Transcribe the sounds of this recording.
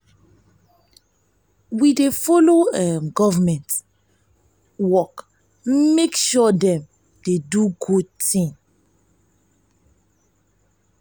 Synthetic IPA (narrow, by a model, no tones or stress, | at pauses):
widefoloɛɡɔvamɛ̃nt | wɔk | mekʃɔdɛ̃m | deduɡud̚tĩŋ